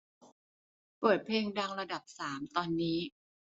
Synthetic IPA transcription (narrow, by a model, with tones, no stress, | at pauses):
pɤː˨˩t̪̚pʰleː˧ŋda˧ŋɾa˧da˨˩p̚saː˩˦mt̪ɔː˧nːiː˦˥